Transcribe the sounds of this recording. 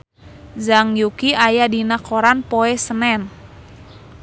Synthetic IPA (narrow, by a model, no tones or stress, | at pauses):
zaŋjukiajadinakoɾanpoɛsənɛn